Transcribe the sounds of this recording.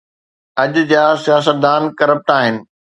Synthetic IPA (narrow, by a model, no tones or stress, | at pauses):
ɐʄʊd͡ʑaːsijaːs̬ət̪̚d̪aːnkɐɾəp̚ʈaːɦɪnɪ̆